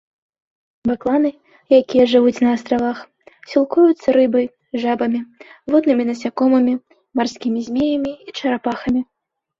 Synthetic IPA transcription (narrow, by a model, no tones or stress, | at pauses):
baklˠanɨ | jakʲijɐʐɨvut͡sʲnɐːst̪ɾavax | sʲilˠkujut̪sːɐɾɨbɐj | ʐabɐmʲivɔd̪nɨmʲinɐsʲakɔmɐmʲi | marsʲkʲimʲizʲmʲejɐmʲiit͡ʂɐɾapaxɐmʲi